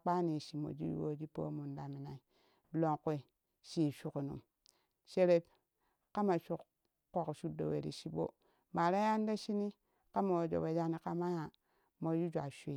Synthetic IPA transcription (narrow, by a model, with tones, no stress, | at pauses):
k͡pa˦ni˨ʃi˨mo̰˨d͡ʒḭ˦jṵ˦wo˦d͡ʒi˦po̰˦mu˨nda˨mi˨na˨i˨ | lo˨ŋku˦i˨ | ʃi˨ʃu˨ku˨nṵ˨m | ʃe˦ɾe˦b | ka˦ma˨ʃu˦kː | o˨kʃu˦do̰˨wḛ˨ɾḭ˨ʃi˦bo̰˦ | ma˨ɾa˦ja˦n˦da˦ʃi˦ni˦ | ka˦ma˨wo˨d͡ʒo̰˨we˨d͡ʒa˦ni˦ka˦ma˦ja˨ | mo˨ju˦d͡ʒʷa˨ʃi˦˨